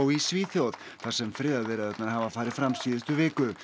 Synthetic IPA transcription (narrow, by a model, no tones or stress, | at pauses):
wisviːθjowð̥ | θḁsɛmfɾɪːðaðvɛɾɪðɛt̪naɾhɦavafaːɾɪðfɾamsiːðɪst̪ʏvɪːkʏ